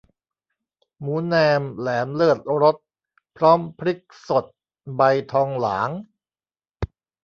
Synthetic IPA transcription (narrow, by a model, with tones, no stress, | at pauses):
muː˩˦nɛː˧mlɛː˩˦mlɯː˥˩ət̪̚ɾo˦˥t̪̚ | pʰɾɔː˦˥˩mpʰɾi˦˥k̚so˨˩t̪̚ | ba˧jt̪ʰɔː˧ŋlaː˩˦ŋ